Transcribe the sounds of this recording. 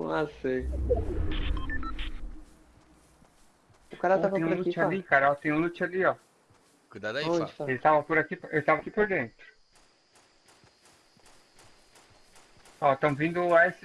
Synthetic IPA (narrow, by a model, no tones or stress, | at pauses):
õasĩ | ʊkaɾaatvẽɲ̃ũlut͡ʃalikaɾɐɔt̪ẽj̃ũlut͡ʃaliɔ | kujd̪ad̪elɪt̪avɐpoɾakipewʃt̪avɐkipoɾd̪ẽnt̪ɾʊ | ɔt̪ɐ̃mʊvĩnd̪ʊaes